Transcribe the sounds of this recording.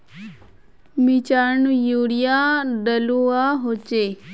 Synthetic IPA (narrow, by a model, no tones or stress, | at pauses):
mit͡ɕaɾɳujuːɽijaɖəluaɦot͡ʃe